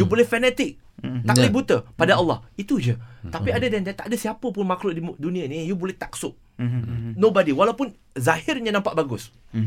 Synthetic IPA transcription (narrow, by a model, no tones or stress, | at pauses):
jubulɛhfɛnɛt̪ɪk̚ | t̪aklibut̪əpadaalːɑ̰hit̪ud͡ʒət̪apiadədɛnt̪ɛt̪a̰ʔdəsiapəpʊnmaklʊʔidunĩanĩjubulɛht̪ak̚sʊʔ̚ | nobadiwalawpʊn | zahɪrɲənãmpaʔbaɡʊs